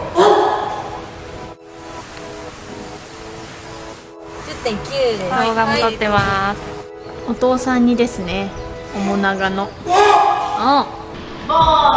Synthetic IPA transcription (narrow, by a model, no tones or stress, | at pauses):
d͡ʑɨt̪ːẽŋkʲɨːdeoːɡamod̪o̞t̪ːe̞mas | ot̪o̞ːsãɲ̟ːid̪e̞sɨne̞ | omonaɡano̞ | õ